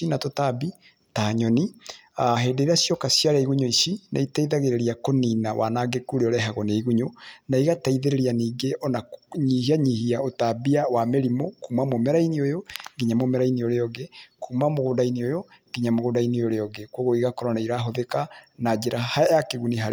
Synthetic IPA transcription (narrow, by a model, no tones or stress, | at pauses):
inatotabi | taːɲɔni | aɦeːdeiɾeasjɔkasiaɾaiɣuɲoisina̰itaiðaɣeɾeɾiakoninawʔa̰naɡekuɾeɔɾɛɦaɣɔneiɣuɲonaiɣataiðeɾeɾianiːɡeɔnaɲihiaɲihiaotabiawameɾimokumamomɛɾainiojoɡiɲamomɛɾainioɾeɔɡɛkʰumamoɣodainiojo | ɡ̥iɲamoɣodainioɾeɔɡɛkoɣoiɣakɔɾɔnaiɾaɦoðekanad͡ʒeɾahajakeɣuniɦa